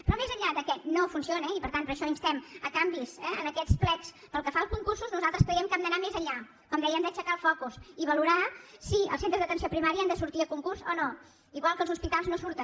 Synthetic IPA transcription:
pɾɔmezəʎaðəkɛnofunsionɛipəɾt̪anpəɾəʃɔinst̪ɛməkambisɛə̰nəkɛt͡splɛt͡s | pəlˠkəfalˠskuŋkursuznuzalˠt̪ɾəskɾəɛmkɛmd̪ənamezəʎa | kɔmd̪ɛjənd̪ət͡ʃəkaəlˠfɔkusiβəluɾasiə̰lˠsent̪ɾəzðət̪əns̬iopɾimaɾiəand̪əsuɾt̪iəkuŋkurzɔno | iɣwalˠkəlˠzuspit̪alˠznosuɾt̪ən

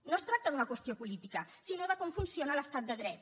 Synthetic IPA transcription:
nost̪ɾak̚t̪əðunəkwəst̪iopulit̪ikəsinoðəkɔmfunsionələst̪at̪̚d̪əðɾɛt̪̚

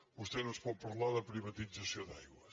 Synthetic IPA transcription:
ʊst̪enʊ̃spɔpɐɾlaðɐpɾiβɐt̪isɐsjõd̪a̰jɣwɐ

